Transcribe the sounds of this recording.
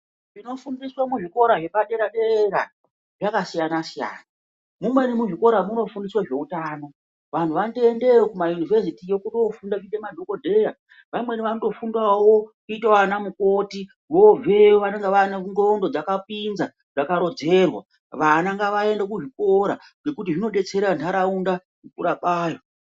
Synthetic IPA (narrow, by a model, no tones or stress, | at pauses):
ʐino̞fundiswamuʐiko̞ɾaʐe̞paɗe̞ɾaɗeɾeɾa | ʐakasijanasija̰ːna | mumwe̞nimuʐiko̞ɾamuno̞fundiswaʐe̞utaːno̞ | ʋantʰuʋandoende̞okumajunivʱes̬itijo̞kuɗo̞fundaidemadʱo̞kodʱe̞ja | ʋamwe̞niʋanodo̞fundawo̞kuitaanamuko̞ti | ʋo̞vʱe̞oʋanaŋɡaʋananɡo̞ndo̞d͡zakap̚inza | d͡zakaɾo̞d͡ze̞rwa̰ | ʋanaŋɡaʋae̞ndak̬uʐiko̞ɾa | ŋe̞kutiʐino̞ɗe̞t͡se̞ɾandaɾaunda | mupuɾaɓaːjo